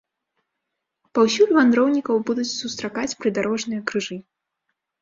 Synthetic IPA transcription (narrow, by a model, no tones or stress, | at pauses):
pawsʲulʲvand̪ɾɔwnʲikɐwbud̪ut͡sʲsust̪ɾakat͡sʲpɾɨd̪aɾɔʐnɨjɐkɾɨʐɨ